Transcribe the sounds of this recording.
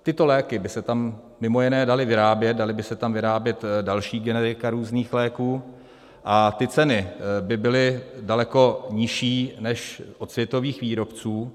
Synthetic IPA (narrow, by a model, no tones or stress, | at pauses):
t̪ɪt̪o̞lɛːkɪbɪsɛt̪amː | ɪmo̞jɪnɛːdalɪvɪɾaːbjɛt̪̚dalɪbɪsɛt̪amvɪɾaːbjɛt̪dalʃiːɡɛnɛɾɪkaɾuːzniːxlɛːkuː | ʔat̪ɪt͡sɛnɪbɪbɪlɪdalɛko̞ɲɪʃiːnɛʃʔot̪svjɛt̪o̞viːxviːɾo̞pt͡suː